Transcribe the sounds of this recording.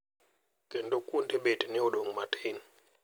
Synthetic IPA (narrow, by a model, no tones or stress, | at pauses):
ɡ̥ʱɛntʼɔkʼuntʰʼɛɓetʼinɛɔloŋmatʰʼeːni